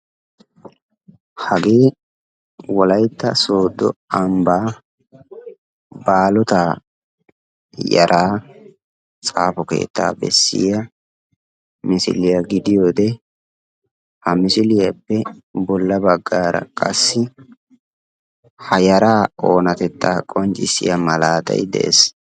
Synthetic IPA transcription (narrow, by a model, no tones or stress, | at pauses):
hɐɡe̞ː | wɔlɐjt̪ːɐso̞ːd̪ːɔ̰ɐmbaː | baːlɔt̪aː | jɐ̰ɾʔaː | t͡sʼa̰ːfɔke̞̰ːt̪ːa̰ːbɛ̰sːɪ̰jɐ | mɪsɪ̰lɪjɐɡɪd̪ɪjoːd̪ɛ | hɐmɪsɪlɪjɐpːɛbɔlːɐbɐɡːaːɾɐ̰kʼɐsːɪ | hɐjɐɾaːoːnɐt̪ɛt̪ːaːkʼɔnt͡ʃʼɪsɪ̰jɐmɐlaːt̪ɐ̰jd̪ɛ̰ʔḛs